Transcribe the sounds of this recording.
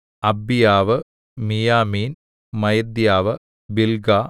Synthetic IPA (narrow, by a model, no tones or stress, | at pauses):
ɐbijaːʋɨ | mijaːmiːn | mɐjɐd̪jaːʋɨ | bilɡa